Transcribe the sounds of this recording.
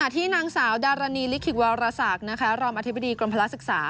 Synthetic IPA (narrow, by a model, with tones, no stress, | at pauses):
a˨˩t̪ʰiː˥˩naː˧ŋsaː˩˦wdaː˧ɾaː˧niː˧li˦˥kʰːi˨˩k̚waː˧ɾaː˧saː˨˩k̚na˦˥kʰa˦˥ɾoː˧mʔa˧t̪̚ʰba˨diː˧kɾo˧mpʰa˧la˦˥sɯ˨˩k̚saː˨˩˦